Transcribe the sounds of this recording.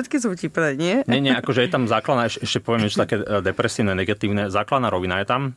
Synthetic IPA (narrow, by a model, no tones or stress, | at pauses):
ɛt̪kis̬ucipɾɛɲɪɛɲɛɲɛakɔʒɛjɛt̪amzaːklad̪aɛʃʔɛʃcɛpɔʋɛmɛʒɛt̪akɛːd̪ɛpɾɛsiːʊnɛnɛɡat̪iːʊnɛzaːklad̪naːɾɔʋinajɛt̪am